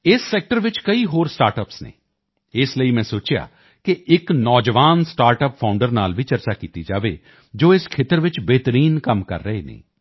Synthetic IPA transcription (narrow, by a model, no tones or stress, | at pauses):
ɪsːɛːk̚ʈəɾʋɪt͡ʃkəiːɦoːɾsʈaːɾʈəpsnḛː | ɪsləiːmɛ̃ːsoːt͡ʃja̰ː | kɪʔɪknɔːd͡ʒʋaːnsʈaːɾʈəppʰaːʊɳɖəɾnaːlʋiːt͡ʃəɾt͡ʃaːkiːt̪iːd͡ʒa̰ːʋḛː | d͡ʒoːɪskʰeːt̪əɾʋɪt͡ʃbeːt̪əɾiːnkəmkə̰ɾːəeːnḛː